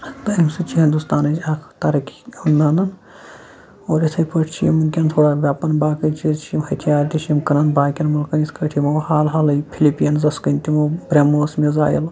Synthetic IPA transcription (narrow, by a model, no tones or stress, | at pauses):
t̪ɐimsɨt͡ʃʰiɦĩnd̪ust̪aːnɐakʰt̪ɐɾɐkʲiunːaːnɐn | oːɾit̪ʰɐjpɐʈʰt͡ʃʰijimɨkʲɐnt̪ʰoːɽaːʋʲjaːpɐnbaːkɐjt͡ʃʰit͡ʃʰijimhɐt̪ʲʰjaːɾʲt̪ʲit͡ʃʰiimkɐnɐnbaːkʲɐnmɐlkɐniskɐʈʰimɐhaːlɦaːlɐjpʰilipijɐnzɐskɐnʲt̪imoːbɾemoːsmiza̰ːjɐ̰l